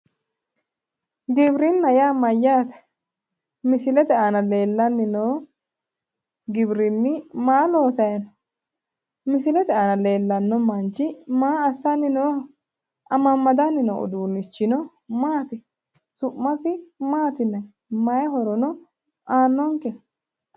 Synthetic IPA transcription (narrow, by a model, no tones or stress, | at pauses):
ɡɪbɾɪnːɐjaːmɐjːaːt̪ɐ̥ | mɪsɪlɛt̪ɛanɐle̞ːlːɐnːɪnoː | ɡɪbɾɪnːɪmaːlo̞ːsɐjɐn | mɪsɪlɛt̪ɛanɐle̞ːlːɐnːɔmɐnt͡ʃːɪmaːɐsːanːɪnoː | ʔɐmɐmːɐd̪anːɪnɔ̰ʔɔ̰d̪uːnːɪt͡ʃːɪnɔ | maːt̪ɪ | sʊʔmɐsɪmaːt̪ɪnːɐ | mɐjɐɦɔɾɔnɔ | aːnːɔŋkɛ